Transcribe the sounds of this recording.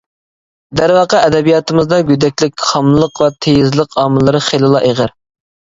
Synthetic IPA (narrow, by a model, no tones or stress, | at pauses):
d̪æɾwɑqɑɛd̪ɛbijɑt̪ɨmɨzd̪ɑɡʲyd̪ɛkʲlɪk̚ʲχɑmlˠəqvɛt̪ʰejɪzlˠəqɑːmɨlˠɨɾɨχelˠɨlˠɑʔeʁəɾ